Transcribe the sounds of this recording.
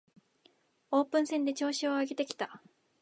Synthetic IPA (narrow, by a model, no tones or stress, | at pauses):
o̞ːpɯ̃ɰ̃sẽ̞nd̪e̞t͡ɕo̞ːɕioaɡe̞t̪e̞kʲi̥t̪a